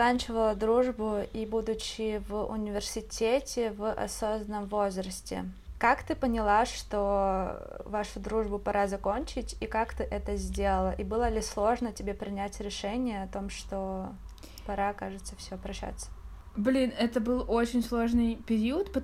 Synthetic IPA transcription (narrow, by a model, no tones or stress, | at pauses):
kanʲt͡ɕɪvəlˠəd̪ɾuʐbʊibud̪ʊt͡ɕːɪvʊ̰nʲɪvʲɪrsʲɪtʲetʲɪvʔɐ̰so̞zənəmvo̞zɾəsʲtʲɪ̰kakt̪ɨpənʲɪlˠaʂt̪o | vaʂʊd̪ɾuʐbʊpɐɾʔazɐkonʲt͡ɕɪtʲikakt̪ɨʔɛt̪əzʲdʲelˠəlˠəʔibɨlˠəlʲɪslˠo̞ʐnətʲɪbʲe̞pɾʲɪnʲætʲɾʲɪʂɛnʲɪjəɐt̪o̞mʂt̪o̞ | pɐɾakaʐɨt̪səfsʲɪopɾɐɕːa̰t̪sə̥ | blʲinɛt̪əbɨlˠot͡ɕɪnʲslˠoʐnɨjpʲɪɾʲiət̪pə